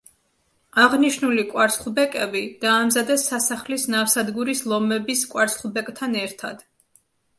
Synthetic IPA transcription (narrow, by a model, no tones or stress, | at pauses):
aʁniʃnulikʼwaɾsχbɛkʼɛbid̪̥aːmzad̪ɛsːasaχlisnafsad̪ɡuɾislˠɔmɛbiskʼwaɾsχbɛkʼt̪ʰanɛɾt̪ʰa̰d̪̥